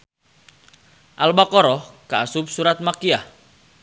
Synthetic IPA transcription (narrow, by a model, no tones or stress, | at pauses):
ʔalbakɔɾɔhkaːsʊp̚suɾat̪̚makiah